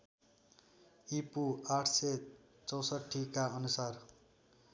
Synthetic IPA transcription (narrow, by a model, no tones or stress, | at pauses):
ipuaʈʰse | t͡sʌwsʌʈʰːikaʌnusar